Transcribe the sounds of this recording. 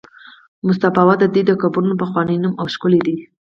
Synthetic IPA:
mʊs̬t̪afɑwad̪əd̪id̪əkabɾunopaxwɑnəjnumawʃkʊled̪i

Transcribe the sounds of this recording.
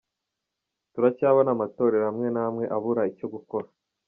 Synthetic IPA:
tuɾacaːβanamato̞ːɾe̞ɾamŋe̞namŋe̞ʔaβuɾaico̞ɡuko̞ɾa

